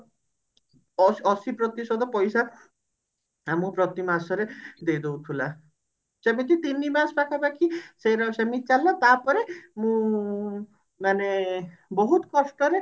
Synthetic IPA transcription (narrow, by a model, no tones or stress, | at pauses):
ɔɔsipɾɔt̪isɔd̪ɔpɔjsa | amũpɾɔt̪imasɔɾed̪ejd̪owt̪ʰula | t͡ʃemit̪it̪inːimaspakʰabakisejɾaʃemit̪t͡ʃalːat̪aɾpɔɾemũ | mane | bɔɦut̪kɔsʈɔɾe